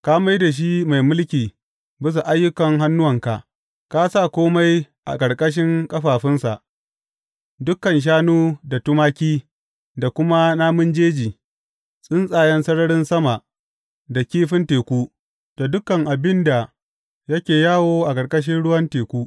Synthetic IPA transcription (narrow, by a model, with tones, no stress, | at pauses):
ka˦ma˦jda˨ʃ̬i˦ma˨jmʊ˦lkʲiː˨ | bɪ˦s̬a˨ʔa˦jːʊ˦kɐ˨ŋɦa˦nːʊ˦wɐ˨ŋka˨ʔ | ka˦sa˦˨kʷoː˦ma˦j | ʔa̰˨kʼɐ˨ɽkʼɐ˦ʃ̬ɪ˦ŋkʼɐ˦ɸaː˨ɸɪ˦nsa˨ʔ | dʊ˦kːɐ˨nʃ̬aː˦nuː˦da˨tʊ˦maː˦kʲiː˦ | da˨kʷʊ˦ma˦naː˦mʊ˦nd͡ʒeː˦d͡ʒiː˨ | sʼɪ˦nsʼaː˨jɛ˦nsɐ˦ɽɐ˦ɽɪ˦nsɐ˦ma˨ʔ | da˨kʲiː˦ɸɪ˦nteː˨kʷuː˦ | d̥a˨dʊ˦kːɐ˨ŋʔa˨bɪ˦nda˨ | jɐ˦kʲeː˨jaː˦woː˦ʔa˨kʼɐ˨ɽkʼɐ˦ʃ̬ɪ˦nɽʊ˦wɐ˦nteː˨kʷuː˦